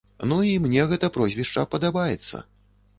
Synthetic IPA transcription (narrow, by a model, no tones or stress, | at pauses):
nuimnʲɛɣɛt̪ɐpɾɔzʲvʲiʂt͡ʂɐ̰pɐd̪abajɛ̰t̪sːɐ̰